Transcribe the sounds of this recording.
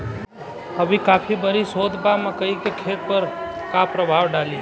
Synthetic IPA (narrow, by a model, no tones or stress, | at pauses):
ɐbʱikaːpʰibəɾisoːd̪ʱbamɐkəikekʰeːt̪̚pɐɾ | kapɾəbʱaːʋwɖaːli